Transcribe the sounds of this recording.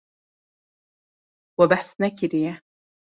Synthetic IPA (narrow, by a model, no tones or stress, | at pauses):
wabaħsnakɪɾɪja